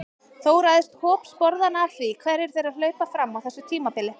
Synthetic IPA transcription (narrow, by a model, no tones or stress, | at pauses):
θowɾajðɪst̪hɔːpspɔɾðanavθvikʰvɛɾɪɾ̥θejɾaðlœːɥpafɾamːawθɛsːʏt̪ʰiːmapɪlɪ